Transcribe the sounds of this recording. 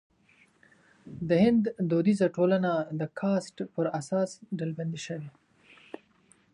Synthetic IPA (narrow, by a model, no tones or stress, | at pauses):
d̪əhɪnd̪ːod̪izaʈolanad̪əkʰɑsʈpəɾasɑsɖalband̪iʃəwi